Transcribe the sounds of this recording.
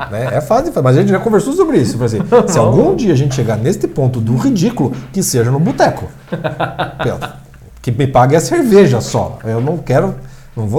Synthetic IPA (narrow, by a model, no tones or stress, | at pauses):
nɛɛfazɪfamɐzɐʒẽnt͡ʃɪʒakõveɾsosobɾɪisʊfajzĩssɪawɡũd͡ʒiɐaʒẽnt͡ʃɪʃeɡaɾnest̪ɪpõnt̪ʊd̪ʊʁid͡ʒikʊlʊkɪseʒɐnʊbut̪ɛkʊ | ped̪ɾʊ | kɪmɪpaɡɪɐseɾveʒɐsɔ̰ewnɐ̃w̃kɛɾʊ | nɐ̃w̃vo